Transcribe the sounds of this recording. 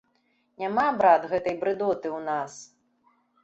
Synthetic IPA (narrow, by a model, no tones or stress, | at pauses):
nʲamabɾad̪ɣɛt̪ɐjbɾɨd̪ɔt̪ɨwnas